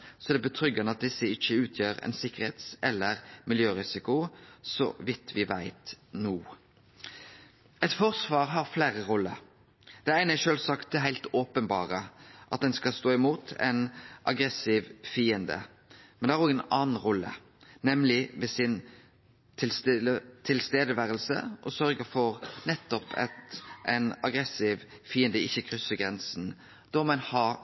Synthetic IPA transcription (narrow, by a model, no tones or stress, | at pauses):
sɔæd̪ɛbət̪ʰɾʏɡənəɑt̪̚d̪ɪsːəɪçəʉːt̪ʰjøːɾæ̰ɪnsɪkːəʁheːt̪sɛlːəʁmɪljøːʁɪsɪkʊsɔ̰ʋɪt̪ʰːʋɪʋæɪt̪nuː | ɛt̪fɔʁsʋɑːɾɦɑʁflæːɾəʁɔlːə | d̪̥ɛææɪnæʃøːlsɑkt̪̚ɛɦæɪlt̪oːpənbɑ̰ːʁəʔɑt̪̚d̪ɛnskɑst̪oːɪmuːt̪ʰɛ̰nʔɑɡɾɛsɪːʋfiːənd̪ə̰ | mɛnd̪ɛhæɾɔɡɛnɑːn̩ɾɔlːə̰ | nɛmlɪʋɛsɪn | t̪ʰɪlst̪ʰɪlst̪eːd̪əʋæːɾəlsə̰ʔɔsœɾɡəfɔɾnɛt̪ːɔpʰɛ̰t̪ʔɛɪnɑɡɾɛsɪːʋfiːənd̪əɪçːəkʰɾʏsːəɡɾʁɛnsn̩ | d̪̥ɔmɛnhɑ